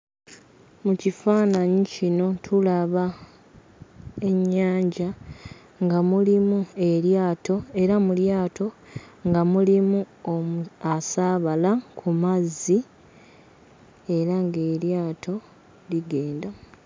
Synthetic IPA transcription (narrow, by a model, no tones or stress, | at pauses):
mucifaːnaɲicino̞tʰulaβa | e̞ɲːaːɲɟa | ŋɡamulimue̞ɾjaːto̞e̞ɾamuljaːtʰo̞ŋɡamulimu | omuasaːβalakʰumazi | e̞ɾaŋɡe̞ːɾjaːtʰo̞ | liɡe̞ːnda